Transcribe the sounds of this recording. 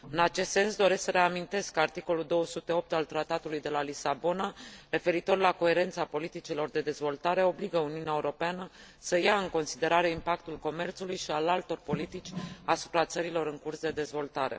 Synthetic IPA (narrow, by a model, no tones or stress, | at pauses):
ɨnat͡ʃe̞st̪se̞nsd̪o̞ɾe̞sksəɾe̞amint̪e̞skːəart̪iko̞luld̪o̞wəsut̪e̞o̞p̚t̪alt̪ɾat̪at̪ulujd̪e̞lalisabo̞naɾe̞fe̞ɾit̪o̞rlako̞e̞ɾe̞nt̪sapo̞lit̪it͡ʃilo̞rd̪e̞d̪e̞zvo̞lt̪aɾe̞o̞bliɡəuniuneaeuɾo̞peanə | səjaɨŋko̞nsid̪e̞ɾaɾe̞impakt̪ulko̞me̞rt̪sulujʃialalt̪o̞rpo̞lit̪it͡ʃʲasu̥pɾat̪səɾilo̞ɾɨŋkursd̪e̞d̪e̞zvo̞lt̪aɾe̞̰